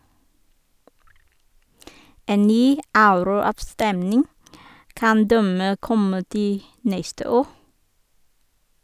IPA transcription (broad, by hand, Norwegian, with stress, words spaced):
ˈeːn ˈnyː ˈɑʉɾʊˌɑːʋˌstɛmnɪŋ ˈkɑn ˈdæmeː ˈkɔmə ˈtiː ˈnɛstə ˈoː